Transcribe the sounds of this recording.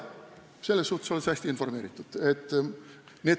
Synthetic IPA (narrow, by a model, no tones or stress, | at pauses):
selːəsːuːt̪ə̥soləshæst̪iinformeːɾit̪ːˑu̥t̪et̪ː | neː